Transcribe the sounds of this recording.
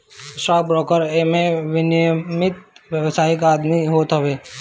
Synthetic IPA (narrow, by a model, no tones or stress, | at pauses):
saːk̚bɾɔːkəɾemẽʋɪnijmɪt̪ʋjəʋsaːɪkaːd̪miɦoːt̪ɦəʋeː